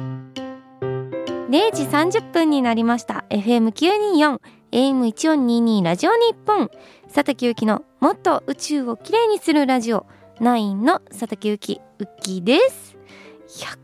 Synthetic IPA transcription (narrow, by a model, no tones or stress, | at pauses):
ɾe̞ːd͡ʑisãɲ̟d͡ʑɨpːɯ̃ɲ̟ːinaɾʲimaɕi̥t̪a̰e̞ɸɯ̟e̞mɯ̟kʲɨːɲ̟iːjõ̞ŋ | e̞mɯ̟it͡ɕijõ̞ɲ̟ːiːɲ̟iːɾaʑio̞ɲ̟ipːõ̞ŋ | sat̪akʲiɯ̟kʲino̞mo̞t̪ːo̞ʔɯ̟t͡ɕɨːo̞kʲiɾe̞ːɲ̟isɨɾɯ̟ɾaʑio̞̰ | naĩnːo̞sat̪akʲiɯ̟kʲḭ | ɯ̟kʲːid̪e̞sɨ̥ | çḁ